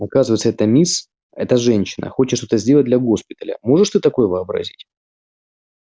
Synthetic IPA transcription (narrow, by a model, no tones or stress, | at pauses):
ɐkazɨvəjt̪səɛt̪əmʲis | ɛt̪əʐɛnʲɕːɪnʔə̰xo̞t͡ɕɪt̪ʂt̪o̞t̪əzʲdʲe̞lˠət̚ʲd̪lʲɐɡo̞spʲɪt̪əlʲə̰mo̞ʐɨʂt̪ɨt̪ɐko̞jɛvɨɐbɾɐ̰zʲitʲ